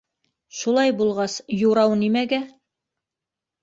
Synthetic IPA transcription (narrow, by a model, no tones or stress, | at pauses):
ʃulˠɑjbulˠʁɑsjuɾɑwnimæɡæ